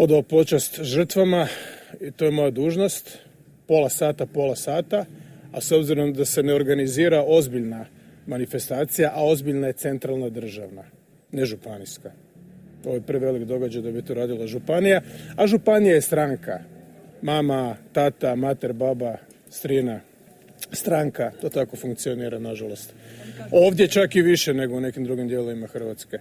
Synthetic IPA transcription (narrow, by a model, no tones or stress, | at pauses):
o̞d̪aopo̞t͡ʃast̪ʒr̩t̪ʋamait̪ojemo̞jad̪uːʒno̞st̪ | po̞lasaːt̪apo̞lasaːt̪aaso̞bziɾo̞md̪ase̞ne̞o̞ɾɡaniziːɾao̞zbiʎna | manife̞st̪aːt̪sijaʔao̞zbiʎnaje̞t̪se̞nt̪ɾalˠnad̪r̩ʒaʋna | neʒupaniska | o̞jepɾiʋe̞likd̪o̞ɡad͡ʑajd̪abit̪oɾaːd̪ilˠaʒupanijaaʒupanijajest̪ɾaŋka̰mamat̪at̪amat̪eɾbaba | st̪ɾina | st̪ɾaŋkat̪o̞ːt̪ako̞fuŋk̚t̪sio̞niːɾanaʒalo̞st̪o̞ːʋd̪je̞t͡ʃakiʋiʃene̞ɡo̞une̞kimd̪ɾuɡimd̪jeloʋimaxr̩ʋat̪ske̞